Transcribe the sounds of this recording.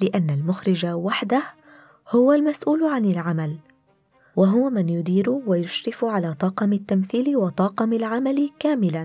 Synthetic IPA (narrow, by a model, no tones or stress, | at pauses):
lɪʔanːalmʊxɾɪd͡ʒawaħd̪ah | hʊwalmasʔuːlʕanɪlʕamal | waɦʊwamɪnjʊd̪iːɾʊwajʊʃɾɪfʕalaːt̪ˤɑːqɑmat̪ːamθiːlɪwɑt̪ˤɑːqɑmalʕamalɪkaːmɪlan